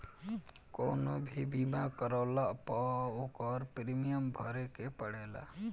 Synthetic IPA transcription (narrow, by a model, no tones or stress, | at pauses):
konobʱibimakəɾɔwlapɔokɔɾpɾimijəmbʱɔ̰ɾekepəɽela̰